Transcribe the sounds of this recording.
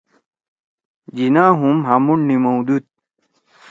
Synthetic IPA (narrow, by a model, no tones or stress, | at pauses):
d͡ʑinaːɦumɦamuɳnimowd̪ut̪̚